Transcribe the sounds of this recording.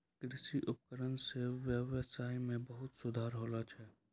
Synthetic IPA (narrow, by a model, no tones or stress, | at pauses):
kɾɪʃiʔʊp̚kəɾənseʋjəwəsaːimẽbəɦʊt̪sʊd̪ʱaːɾɦoːlat͡ʃʰɛː